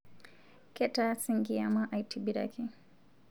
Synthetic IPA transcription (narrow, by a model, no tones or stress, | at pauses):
kɛtasiŋɡiamaʔajtʰibiɾa̰kʰi